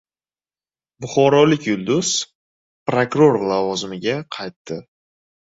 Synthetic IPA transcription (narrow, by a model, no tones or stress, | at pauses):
bʊχɒɾɒlɪkʲjʊlˠd̪ʊz̥ | pɾokɾoɾlˠavɒzɪmɪɡʲaqʰɑjt̪ːɪ